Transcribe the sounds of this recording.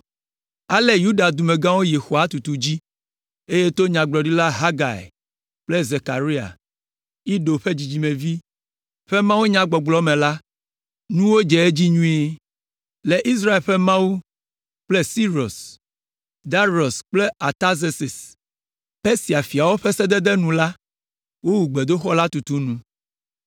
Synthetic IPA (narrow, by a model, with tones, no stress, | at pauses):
a˦le˦ju˦ɖa˨d̪u˨me˨ɡã˦wo˦je˨xo˨a˨t̪u˨t̪u˨d͡ʑi˦ | e˦je˦t̪o˦ɲã˨ɡ͡blɔ˨ɖi˦la˦ɦa˦ɡa̰˨ḛ˨ | k͡ple˦ze˨ka˨ɾi˦a̰˨ | i˦ɖo˨ɸe˦d͡ʑi˨d͡ʑi˨mẽ˨vi˦ | ɸe˦mã˦wu˦ɲã˦ɡ͡bɔ˨ɡ͡blɔ˦mẽ˨la˦ | nũ˦wo˦d͡ʒɛ˨e˦d͡ʑi˦ɲũ˦e˦ | le˨ʔi˦s̬ɾa˦e˨lɸɛ˦mã˦wu˦ | k͡ple˦si˦ɾo˨s | d̪a˦ɾo˨sk͡ple˦a˨t̪a˦ze˨se˨s | pe˦si˨a˨fi˨a˨wo˦ɸe˦sɛ˦d̪ɛ˦d̪ɛ˦nũ˨la˦ | wo˦wu˨ɡ͡be˨d̪o˦xɔ˦la˦t̪u˨t̪u˦nũ˦